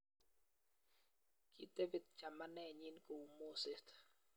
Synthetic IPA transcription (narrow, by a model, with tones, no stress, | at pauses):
ki˦d̪e˦vɪ˨d̪̚t͡ʃa˨ma˦nɛ˦˨ɲi˦nko˨u˨mo˦se˦t̪